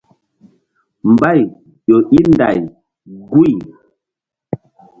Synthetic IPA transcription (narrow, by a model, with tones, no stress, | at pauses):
m̩˨ba˦˨j | jo˨ʔi˦nda̰˨j | ɡu˦˨j